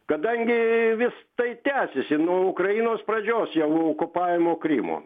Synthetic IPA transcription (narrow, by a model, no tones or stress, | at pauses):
kɐd̪ɐŋʲɡʲɪʋʲɪst̪ɐɪt̪ʲæːsʲɪsʲɪnuɔʊkɾɐjinoːsprɐd͡ʒʲoːsjɛʊokʊpɑːʋʲɪmoːkɾʲḭmo̰ː